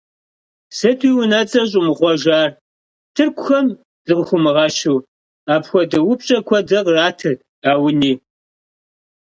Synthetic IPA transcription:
sɐtʰiːwʊnɐt͡sʼɐɕ̬ʼɪmɨʁʷɔʒaːr | tʰɨrkʷʰʼʊxɐm | z̥ɨʁxʷʊmɨʁɑʃuw | aːpxʷɔdɐwʊpɕʼɐkʷʰɔdɐqraːtʰɨr | aːwʊniː

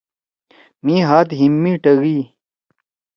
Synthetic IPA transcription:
miːɦaːt̪ɦimːiːʈɐɣiː

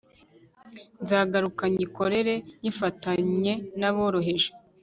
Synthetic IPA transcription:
nzaːɡaɾukaɲiko̞ɾe̞ɾe̞jifataɲe̞naβo̞ːɾo̞ɦe̞ʒe̥

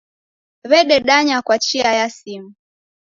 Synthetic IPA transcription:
βɛɗɛɗaɲakwat͡ʃiajasimu

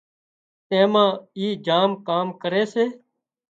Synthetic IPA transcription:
ẽːmãːiːd͡ʒaːmkaːmkəɾeːseː

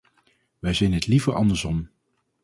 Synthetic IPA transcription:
ʋɛjzɛjnɦətlivəɹʔɑ̰ndəɹzɔm

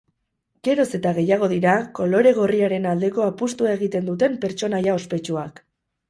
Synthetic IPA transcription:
ɡ̥e̞ɾo̞se̞t̪aɣ̞e̞jaɣ̞o̞ðiɾako̞lo̞ɾe̞ɣ̞o̞riaɾe̞nald̪e̞ko̞apust̪uae̞ɣ̞it̪e̞nd̪ut̪e̞mpe̞ɾt͡ʃo̞najao̞spe̞t͡ʃuak

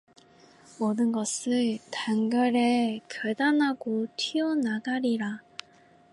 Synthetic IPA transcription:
mʌdɯnɡʌsʰɯɭtaŋɡʌɾekʌɭdanɦaɡotʰiʌnadaɾiɾa

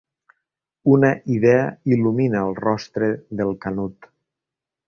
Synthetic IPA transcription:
unəʔiðɛəiluminəːlˠrɔst̪ɾeðelˠkanut̪

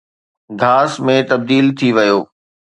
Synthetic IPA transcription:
ɡʱaːsmẽt̪ɐb̚d̪iːlt̪ʰiʋɐjoː

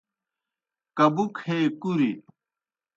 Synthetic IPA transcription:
kɐbukʰeːkuɾḭ

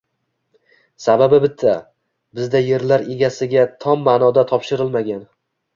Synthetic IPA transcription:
sababɪbɪt̪ʰːa | bɪzd̪aje̞ɾlaɾe̞ɡʲasɪɡʲat̪ʰɒmːanɒd̪at̪ʰɒpʃɪɾɪlˠmaɡʲan

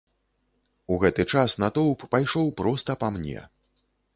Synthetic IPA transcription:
uɣɛt̪ɨt͡ʂasnɐt̪ɔwpːajʂɔwpɾɔst̪ɐpamnʲɛ̰

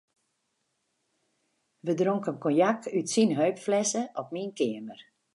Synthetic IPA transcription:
ʋədroŋkənkɔnjakytsinɦøɥpflɛsəʔɔpminkɪəmər

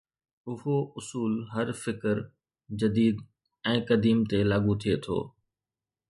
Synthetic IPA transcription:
ʊɦoʊsuːlɦɐɾfɪkəɾ | d͡ʑɐd̪iːd̪ | ɛ̃ːkɐd̪iːmt̪elaːɡut̪ʰiet̪ʰo̰ː

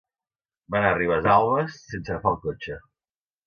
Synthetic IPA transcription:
banariβ̞azalˠβəsːensəɣəfalˠkot͡ʃə

